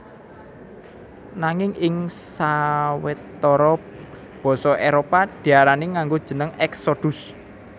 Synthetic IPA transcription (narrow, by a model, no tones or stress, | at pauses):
naŋɪŋʔɪŋsawɪt̪ːɔɾɔ | b̥ɔ̤sɔʔeɾopad̪̥i̤aɾaniŋaŋɡod̥ʒ̥ə̤nəŋɛksod̪̥ṳs